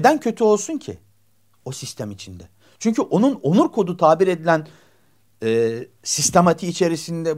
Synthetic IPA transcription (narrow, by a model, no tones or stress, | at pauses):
ed̪æncʰø̞t̪ʰyo̞lˠsuncʰi | o̞sist̪ʰæmit͡ʃʰind̪ɛ | t͡ʃʰyɲcʰyʔo̞nuno̞nuɾkʰo̞d̪ut̪ʰaːbiɾe̞d̪ilʲæn | ɛː | sist̪ʰemat̪ʰiːt͡ʃʰe̞ɾisind̪ɛ